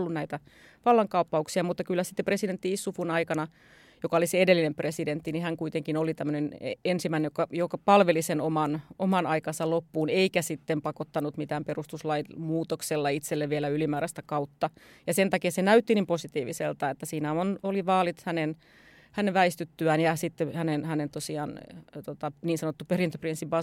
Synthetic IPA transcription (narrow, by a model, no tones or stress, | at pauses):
lːunnæit̪æ | ʋɑlːɑŋkɑupːɑuksiɑmut̪ːɑkylːæsi̥t̪ːepresident̪ːiisːufunɑikɑnɑ | jokɑoliseedelːinempresident̪ːinihæŋkuit̪eŋkinolit̪æmːøneneensimæinejkɑjokɑpɑlʋelisenomɑnomɑnʔɑikɑnsɑlopːuːneikæsit̪ːempɑkot̪ːɑnut̪mit̪æːmperust̪uslɑimuːt̪okselːɑit̪selːeʋʋielæylimæːɾæst̪ækɑut̪ːɑ | jɑsent̪ɑkiɑsenæyt̪ːinimposit̪iːʋisḛlt̪ɑet̪ːæsiːnæonoliʋɑːlit̪hænen | hæneʋʋæist̪yt̪ːyænjɑsit̪ːehænenhænent̪osiɑːnt̪ot̪ɑniːnsɑnot̪ːuperint̪øprinsːibɑ